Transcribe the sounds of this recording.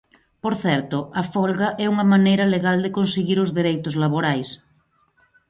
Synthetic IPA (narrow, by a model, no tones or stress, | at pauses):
poɾθɛɾt̪oʔafɔlɣaʔɛuŋɐmanejɾɐleɣald̪ekonseɣiɾozðeɾejt̪ozlaβoɾajs